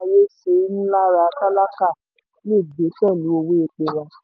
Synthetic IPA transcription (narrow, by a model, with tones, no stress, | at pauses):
a˧je˦se˧˦nũ˦la˦ɾa˧a˧ka˦la˦ka˦˨ | le˦˨be˨˦fɛ˦˨lu˨˦o˧we˦e˧k͡pe˧wã˧